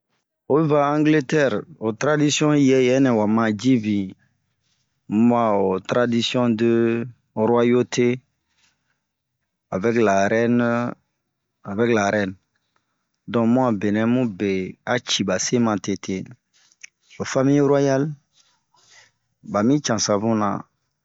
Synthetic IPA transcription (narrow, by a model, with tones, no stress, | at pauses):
o˨be˦va˦ã˦ŋɡle˦tɛ˦˨ɾo˨t̪ɾa˦di˦sjɔ̃˦jɛ˨˦jɛ˦nɛ̃˨wa˨mã˨d͡ʒi˦bi˨ | mu˦a˨o˨t̪ɾa˨di˦sjɔ̃˦d̪ə˦ | ɾwa˦jo˦tʰe˦ | a˨vɛ˦kla˨ɾɛ˦n | a˨vɛ˦kla˨ɾɛ˦˨n | dɔ̃˨mũ˦a˨be˨nɛ̃˨mũ˦be˨a˦t͡ʃi˨ba˨se˦mã˨te˨tʰe˨ | o˨fa˦mĩ˦ɾa˦ja˦l | ba˨mĩ˦t͡ʃã˨sã˨bũ˦nã̰˨